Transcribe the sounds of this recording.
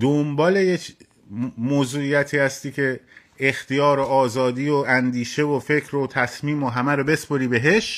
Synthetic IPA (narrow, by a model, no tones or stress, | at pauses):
d̪ombɒːle̞jecʰ | moːzuːijæt̪ʰiːhæst̪iːcʰe̞ː | xt̪ʰijɒːɾoɒːzɒːd̪iːoænd̪iːʃe̞vofe̞cʰɾot̪ʰæsmiːmoɦæmæɾobe̞spoɾiːbe̞ɦe̞ʃ